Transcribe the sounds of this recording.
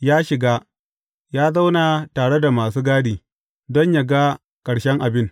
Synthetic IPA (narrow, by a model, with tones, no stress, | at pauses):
jaː˦ʃɪ˨ɡaː˦ | jaː˦za˦wna˨taː˨ɽe˦da˨maː˨suː˦ɡaː˦diː˨ | dɔ˦ɲja˨ɡa˦ | kʼɐ˨ɽʃɛ˦ŋʔa˨bɪ˦n